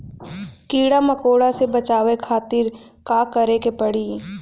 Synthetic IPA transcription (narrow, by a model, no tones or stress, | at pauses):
kiːɽamɐkoːɽasebɐt͡ʃaːwekʰaːt̪ɪɾkaːkəɾekepɐɽiː